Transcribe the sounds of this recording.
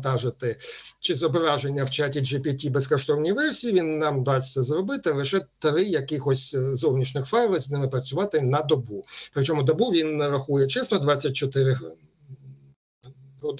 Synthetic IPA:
t̪ɑʒɪt̪ɪt͡ʃɪzɔbɾɑʒenʲːɐwt͡ʃatʲid͡ʒɪpʲitʲibeskɔʃt̪ɔwnʲiʋɛrsʲijiʋʲinːɑmd̪ɑsʲsɛzrɔbɪt̪ɪlˠɪʃɛt̪ɾɪjɐkɪxɔsʲzɔwnʲit͡ʃnɪxfɑjlˠɐzʲnɪmɪpɾɐt͡sʲʊʋɑt̪ɪnɐd̪ɔbupɾɪt͡ʃɔmʊd̪ɐbuʋʲinɾɐxujɛt͡ʃɛsnɔd̪ʋɑt͡sʲːɐt̚ʲt͡ʃɔt̪ɪɾɪ | ɦɔd̪

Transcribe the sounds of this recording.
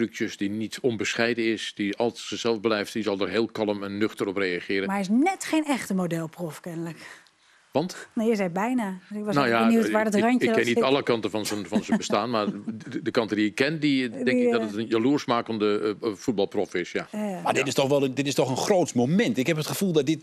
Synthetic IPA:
drykjəsdinitʰɔnbəsχɛjdəɪsd̥iɑlˠssəsɛlˠvblɛjftdizɔlˠdərɦeːlˠkɑlˠəmɛnːøxtərɔprejaχɪːɾənmaɛɪs̬nɛtχejnɛxtəmodɛlˠprɔfkɛnələk | ʋɑntnajəzɛjbɛjnaɪkʋɔsnojaniwtʋaːɹdɔtraɲɪəkːɛnnːitɑlˠəkɑntəfɔnzənfɔnzəbəstaːnmardəkɑntədiɪkːɛndiɛŋkɪɡdɔtətənjaluərsmaːkəndəfut̚bɑlˠprɔfɪsjamadɪtɪstɔxʋɛlˠədɪtɪstɔχənχroːtmowmɛntɪkhɛpətχəfulˠdɔt̚dɪt

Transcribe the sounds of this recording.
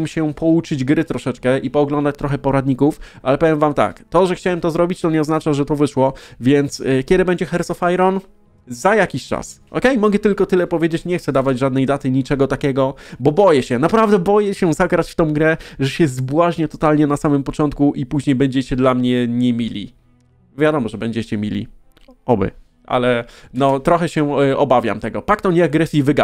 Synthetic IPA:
mɕɛpɔut͡ʂɘd͡ʑɡɾɘt̪ɾɔʂɛt͡ʂkɛʔipɔːɡlɔnd̪at͡ɕt̪ɾɔxɛpɔɾad̪ɲikufʔalɛpɛvʲjɛmvamt̪a̰kt̪ɔʐɛxt͡ɕawɛmt̪ɔzɾɔbʲit͡ɕt̪ɔɲɛɔznat͡ʂaʐɛt̪ɔvɘʂwɔvʲjɛnt̪skʲɛd̪ɘbɛɲd͡ʑɛxɛɾt̪sɔfajɾɔn | zajakʲiɕt͡ʂa̰sʔɔ̰kɛjmɔɡɛt̪ɘlkɔt̪ɘlɛpɔvʲjed͡ʑet͡ɕɲɛxt̪sɛd̪avad͡ʑʐad̪̚nɛjd̪at̪ɘɲit͡ʂɛɡɔt̪akʲɛɡɔbɔbɔjɛɕɛnapɾavd̪ɛbɔjɛɕɛzaɡɾat͡ɕft̪ɔ̃w̃ɡɾɛʐɛɕɛzbwaʑɲɛt̪ɔt̪alɲɛnasamɘmpɔt͡ʂɔnt̪̚kuʔipuʑɲejbɛɲd͡ʑɛt͡ɕɛd̪lamɲɛɲɛmʲilʲḭ | vʲjad̪ɔmɔʐɛbɛɲd͡ʑɛt͡ɕɛmʲilʲḭ | ɔbɘ̰ | ʔa̰lɛnɔt̪ɾɔxɛɕɛɔbavʲja̰mt̪ɛɡɔpakt̪ɔɲɛaɡɾɛsʲivɘɡa

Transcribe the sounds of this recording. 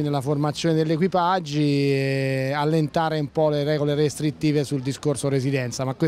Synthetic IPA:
inelaformat̪sːjoːned̪eʎːek̬wipad͡ʒːi | alːent̪aːɾeumpɔleɾɛːɡoleɾest̪ɾit̪ːiːvesuld̪iskorsoɾezid̪ɛnt̪samakwe

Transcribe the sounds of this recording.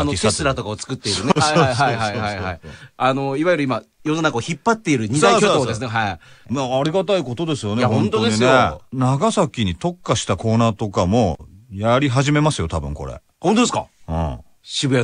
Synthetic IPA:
not̪et͡sɨɾat̪o̞kaot͡sɨ̥kɯ̟t̪ːe̞iɾɯneaaiɦaiɦaihaia̰iano̞iβajɯɾɯ̟ima | jo̞nonakaoçipːat̪ːe̞iɾɯ̟ɲ̟iaikooːd̪e̞s̬ɨneɦaimaːɾʲiɡat̪aiko̞t̪o̞d̪e̞sɨjo̞nahõnt̪od̪ineenaɡasakʲiɲ̟it̪o̞kːaɕi̥t̪ako̞ːnaːt̪o̞kamo̞jaɾʲiɦaʑime̞masɨjo̞t̪abɯ̟̃ŋko̞̰ɾḛ | hõnt̪od̪eska̰ɯ̰̃ː | ɕibɯ̟a

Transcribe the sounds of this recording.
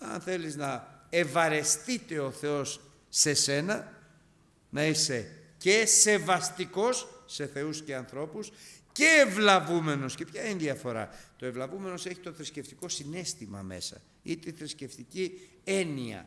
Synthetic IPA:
ɐ̰nθe̞liznɐevɐɾe̞st̪it̪e̞o̞θe̞o̞sː | e̞se̞nɐ | nɐise̞ | cese̞vɐst̪iko̞sːe̞θe̞usce̞ɐnθɾo̞pus | ce̞ːvlɐvume̞no̞sce̞pçɐinðiɐfo̞ɾɐ̰t̪o̞e̞vlɐvume̞no̞se̞çit̪o̞θɾisce̞ft̪iko̞sine̞st̪imɐ̰me̞̰sɐ̰ | it̪iθɾisce̞ft̪ici | e̞niɐ̰

